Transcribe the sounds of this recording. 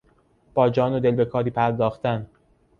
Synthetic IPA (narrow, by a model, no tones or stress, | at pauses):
b̥ɒːd͡ʒɒːnod̪e̞lbe̞kʰɒːɾiːpʰæɾd̪ɒːxt̪ʰæn